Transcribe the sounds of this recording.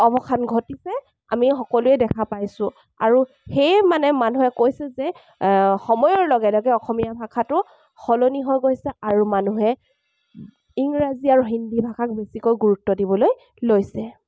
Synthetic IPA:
ɔbɔkʰanɡʱotisɛ | a̰mixɔkɔlʊɛdɛkʰapajsʊ̃ | a̰ɹu | xejmanɛmanuɦɛkojsɛzɛ | xɔmɔjɔɹlɔɡɛlɔɡɛɔxʰɔmijabʱakʰatʊ | xɔloniɦɔjɡojsɛʔaɹumanuɦɛ | iŋɹaziaɹuɦindibʱakʰak̚besikojɡuɹutːɔdibɔloj | lojsɛ

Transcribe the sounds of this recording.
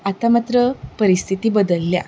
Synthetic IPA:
at̪amat̪ɾəpəɾist̪ʰit̪iːbəd̪əlːja̰

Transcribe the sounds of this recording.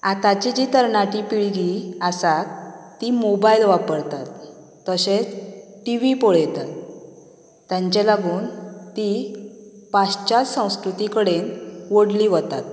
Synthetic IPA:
at̪at͡ɕid͡ʑiːt̪əɾnaʈipiɭɡiasat̪ːimobailʋapəɾt̪at̪ː | əɕet͡sʈiʋipoɭjt̪at̪ː | jãɲt͡ɕɛlaɡuːnt̪i | past͡ɕat͡ssə̃w̃skɾut̪ikəɽenʋoɽliʋɔt̪at̪̚

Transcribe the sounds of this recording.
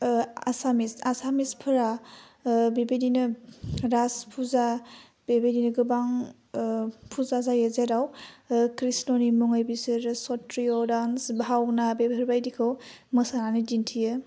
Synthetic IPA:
a̰samisasamispʰɯɾa | bebedinɯɾaspʰuza | bebedinɯɡɯbaŋ | pʰuzazajezeɾawkɾisnɔnimɔŋɯjbisɯɾsɔtɾiɔdansbʱawnabebʱɯɾbajdikʰɯw | mɯsananidintʰijɯ

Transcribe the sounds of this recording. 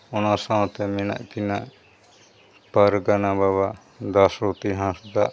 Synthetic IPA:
ɔnasãw̃t̪ɛmɛna̰ʔkinaʔ | paɾɡanabaβa | d̪asɾot̪iɦãsd̪aʔ

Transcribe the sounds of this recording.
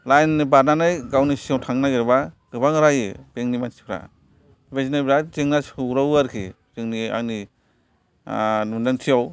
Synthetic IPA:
lajnibananajɡawnisiawtʰaŋnaɡeɾbaɡ̥ɯbaŋɾajeb̥eŋnimansi̥kʰɾa̰ | bazinajbɾazeŋnasɾawuaɾkʰi | zeŋnia̰kni | nundantʰijaw

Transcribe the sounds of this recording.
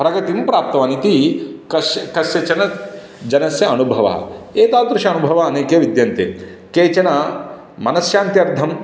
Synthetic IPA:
pɾɐɡɐt̪impɾaːp̚t̪ɐʋaːnit̪ikɐsjkɐsjɐt͡ʃɐnɐ | d͡ʒɐnɐsjɐɐnubʱɐʋɐ̰eːt̪aːld̪ɾuʂɐɐnubʱɐʋɐɐneːkjɐʋid̪jɐnt̪ḛ | keːt͡ʃɐnɐ | mɐnɐsjaːnt̪jɐɾd̪ʱɐm

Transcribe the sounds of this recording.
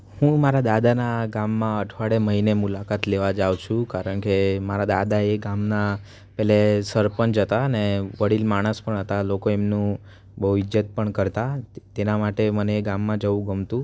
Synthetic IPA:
hũmaɾad̪ad̪anaɡamːãəʈʰʋaɽeməɦinemulakat̪leʋad͡ʒawt͡ʃʰũkaɾəɳkemaɾad̪a̰d̪aeɡamna | pɛɦlesəɾpənd͡ʒət̪aəneʋəɽilmaɽ̃əspəɳɦət̪alokoemnũ | bəɦuɪd͡ʒət̪̚pəɳkəɾt̪at̪enamaʈeməneːɡamːãd͡ʒəʋũɡəmt̪ũ

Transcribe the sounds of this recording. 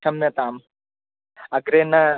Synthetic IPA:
ɐmjɐt̪aːm | ɐkɾena

